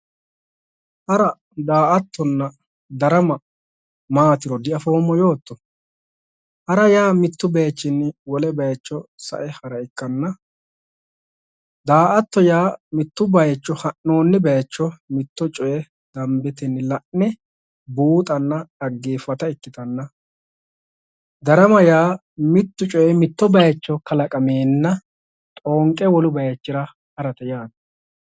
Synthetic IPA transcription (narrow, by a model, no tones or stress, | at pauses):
hɐɾɐ | d̪aːʔɐt̪ːɔnːɐ | d̪ɐɾɐmɐ | maːt̪ɪɾɔd̪ɪʔɐfoːmːɔjo̞ːt̪ːɔ | hɐɾɐjaːmɪt̪ːʊbejt͡ʃːɪnwɔlɛbɛjt͡ʃːɔsɐ̰ʔɛhɐɾɐɪkːɐnːɐ | d̪aːʔɐt̪ːɔjaːmɪt̪ːʊbɐjɛt͡ʃːɔhɐʔːo̞ːnːɪbɛjt͡ʃːɔmɪt̪ːɔt͡ʃʼɔjɛ | d̪ɐmbɛt̪ɛnːɪlɐʔnɛ | buːt̪ʼɐnːɐɐɡːeːfːɐt̪ɐɪkːɪt̪ɐnːɐ | d̪ɐɾɐmɐjaː | mɪt̪ːʊt͡ʃʼɔjɛmɪt̪ːɔbɐjɐt͡ʃːɔkɐlɐkʼɐmeːnːɐ | t̪ʼoːŋkʼːɛwɔlʊbɐjɐt͡ʃːɪɾɐ | hɐɾɐt̪ɐjaːd̪ɐ̥